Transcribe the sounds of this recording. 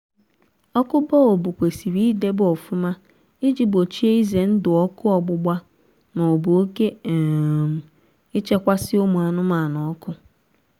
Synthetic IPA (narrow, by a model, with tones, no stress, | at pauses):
ɔ˦kʊ˦bɔ˦o˨bu˨kʷe˨si˨ɾi˦de˦bo˨fu˦ma˦ | i˦d͡ʒi˨bo˨t͡ʃi˦e˦i˦ze˨n̩˦dʊ˨ɔ˦kʊ˦ɔ˦˨ɡ͡bʊ˨ɡ͡ba˦ | nɔ˨bʊ˨o˦ke˦˨ | m̩˨ | ɪ˦t͡ʃe˦kʷa˦sɪ˦o˦mu˨a˨nʊ˦ma˨nɔ˨ɔ˦kʊ˦